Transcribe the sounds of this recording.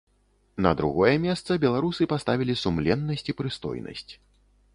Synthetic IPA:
nɐ̰d̪ɾṵɣɔjɛmʲɛst̪sɐbʲɛlˠaɾusɨpast̪avʲilʲisumlʲɛnːɐsʲt͡sʲipɾɨst̪ɔ̰jnɐ̰sʲt͡sʲ

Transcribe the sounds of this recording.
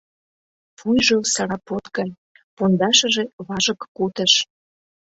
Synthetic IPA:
pujʒosɑɾɑpot̪ɡɑj | pond̪ɑʃə̆ʒeβɑʒəkːut̪ə̆ʃ

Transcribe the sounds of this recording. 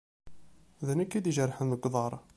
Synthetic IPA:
ðənækːid̪iʒəɾˤːħənðəɡʷðˤɑɾˤ

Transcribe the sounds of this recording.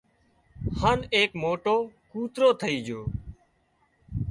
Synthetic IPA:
haːneːkmoːʈoːkuːt̪ɾoːt̪ʰəiːd͡ʒoː

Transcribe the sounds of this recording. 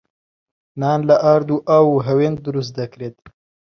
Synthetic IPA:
nɑːnlaʔaɾd̪uʔawɦawend̪uɾus̬d̪akɾed̪

